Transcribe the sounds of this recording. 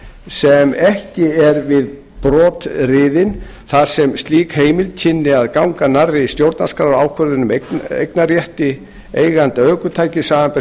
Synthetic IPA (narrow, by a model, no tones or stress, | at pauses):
sɛmɛhcɪɛɾvɪð | pɾɔːt̪rɪðɪn | θaɾ̥sɛmst̪liːkheːjmɪlcʰɪnːɪaðkawŋkanarːɪist̪jowɾt̪naskaɾaːwkʰvœɾðɪnʏmekḛjknaɾjɛht̪ɪ | ejɣant̪œːkʏt̪ʰaːjcɪsaːvampɛ